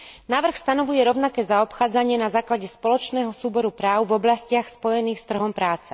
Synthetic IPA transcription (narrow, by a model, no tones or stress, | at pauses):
naːʋr̩xst̪anɔʋujɛɾɔʊnakɛːzaɔpxaːd͡zaɲɪɛnazaːklaɟɛspɔlɔt͡ʃnɛːɦɔsuːbɔɾupɾaːʊvɔblascɪaxspɔjɛniːxst̪r̩ɦɔmpɾaːt͡sɛ